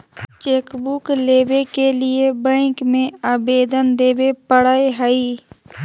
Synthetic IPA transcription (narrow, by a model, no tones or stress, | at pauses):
t͡ʃeːkbukleːbekelɪebɛ̃ːkmẽaːbeːd̪ənd̪eːbepəɽaːeɦəiː